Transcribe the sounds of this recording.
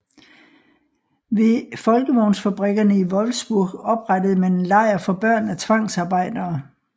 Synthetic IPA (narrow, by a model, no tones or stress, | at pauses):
ʋefɒ̽lɡ̥əʋɒʊ̰nsfæb̥ʁɛɡ̥ɐnəiʋɒ̽lsb̥uɐ̰ɡ̥ɒ̽b̥ʁad̥əð̞̩ˠmenlɑ̈ɪ̰ɐfɒ̽b̥ɶɐ̰næt͡sʰʋɑ̈ŋ̰sɑ̈ːb̥ɑ̈ɪ̰d̥ɐː